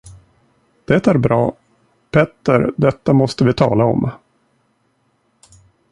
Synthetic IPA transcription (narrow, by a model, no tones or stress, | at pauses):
d̪̥ɛt̪æɾbɾɑː | pʰɛt̪ːəɾd̪ɛt̪ːamɔst̪əvɪt̪ʰɑ̰ːlaɔ̰m